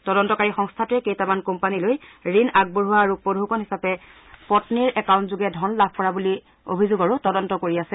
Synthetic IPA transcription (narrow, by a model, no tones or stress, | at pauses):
tɔdɔntɔkaɹixɔŋstʰatɛkejtamankɔmpanilojɹinaɡ̚boɹuwaːɹupodʱukɔnɦisapɛ | pɔtniɹʔɛkawntzuɡɛdʱɔnlabʱkɔɹabuli | o̰bʱizʊɡaɹutɔdɔntɔkoɹiasɛ